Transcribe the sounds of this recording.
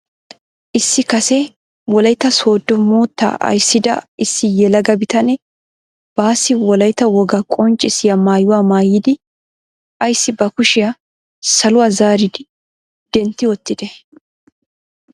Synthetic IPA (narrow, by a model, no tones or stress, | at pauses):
ʔɪsːɪkɐsɛ | wɔlɐjt̪ːɐso̞ːd̪ːɔmoːt̪ːa̰ːʔɐ̰jsːɪd̪ɐ̰ɪsːɪjɛlɐɡɐbɪt̪ɐnɛ | b̥aːsːɪwɔlɐjt̪ːɐwɔɡɐkʼɔnt͡ʃʼːɪsɪjɐmaːjʊwaːmaːjːɪd̪ɪ | ʔɐjsːɪbɐkʊʃɪjɐ | sɐlʊwaːzaːɾɪd̪ɪ | d̪̥ɛnt̪ːɪwɔt̪ːɪd̪ɛ